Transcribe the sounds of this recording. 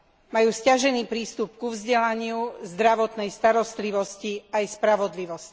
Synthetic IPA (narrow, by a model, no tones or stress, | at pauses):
majuːscaʒɛniːpɾiːst̪upkuvzɟɛlaɲɪuzd̪ɾaʋɔt̪nɛjst̪aɾɔst̪liʋɔsciajspɾaʋɔd̪liʋɔsc